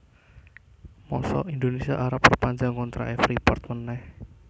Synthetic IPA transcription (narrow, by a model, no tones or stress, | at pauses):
mɔsɔ̰ind̪onesiaʔaɾapːərpaɲd͡ʒaŋkɔnt̪ɾa̰ʔɛfripɔrt̪̚mənɛh